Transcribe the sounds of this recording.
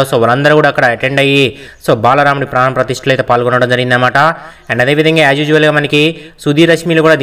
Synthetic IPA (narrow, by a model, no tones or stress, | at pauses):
osoːʋɐlɐnd̪ɐɾukuːɽaːkːɐɽɐɐʈeɳɖɐjisoːbaːlɐɾaːmuɽipɾɐnɐpɾɐt̪iʂʈɐlɐjt̪eːpaːlkɔnːɐʋɽɐmd͡ʒɐɾiɡinnɐmaːʈɐ | ɐnɐd̪e̞ːʋid̪ʱɐŋɡaːad͡ʒjuːd͡ʒuʋɐlɡaːmɐnɐkisud̪ʱiːɾɐʂmiːlokuːɽaːd̪